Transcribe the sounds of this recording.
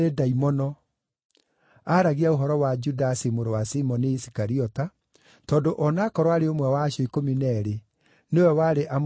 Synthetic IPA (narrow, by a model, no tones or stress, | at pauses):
edaimɔnɔ | aɾaɣiaoɦɔɾɔwad͡ʒudasimoɾowasimɔneisi̥kaɾiɔta | tɔːndoʔɔnaːkɔɾwaɾeomwɛwaːʃɔikominɛɾe | newɛwaɾeʔam